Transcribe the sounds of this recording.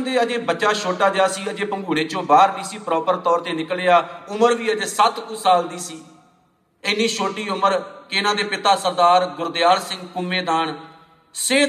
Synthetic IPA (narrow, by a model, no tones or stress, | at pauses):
nd̪eːəd͡ʒeːbətːʃaːʃoːʈaːd̪ejaːsiːəd͡ʒeːpəŋɡuːɽeːt͡ʃõːbaːɾb̪iːsiːpɾɔːpəɾt̪ɔːɾt̪eːnɪkleːaːʊməɾʋiːəd͡ʒeːsət̪kũːsaːld̪iːsiː | ɪnːiːʃoːʈiːʊməɾkeɪnãːd̪eːpɪt̪aːsəɾd̪aːɾɡʊɾd̪ɪjaːɾsɪ̃ŋɡkʊmːeːd̪aːɳ | seː